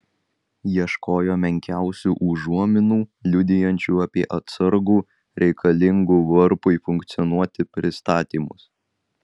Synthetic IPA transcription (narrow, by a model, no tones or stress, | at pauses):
jiɛʃkoːjoːmʲɛŋʲkʲæˑʊsʲuːʔʊʒuɔmʲɪnuːlʲʊd̪ʲɪjɛnʲt͡ʃʲuːɐpʲiɛʔɐt̪sɐɾɡuː | ɾʲɛɪkʰɐlʲɪŋɡuːʋɐɾpʊifʊŋʲkt̪sʲɪjɔnuɔt̪ʲɪpʲɾʲɪst̪ɑːt̪ʲiːmʊs